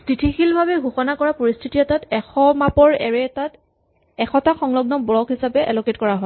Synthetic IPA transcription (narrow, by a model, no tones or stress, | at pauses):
titʰixilbʱabɛɡʱuxɔnakɔɹapoɹistʰitiɔtatɛxɔmapɔɹɛ̰ɹɛtat | ɛxʰɔtaxɔŋlɔɡ̚nɔbɹɔkɦisapɛʔɛlɔketkɔɹaɦɔ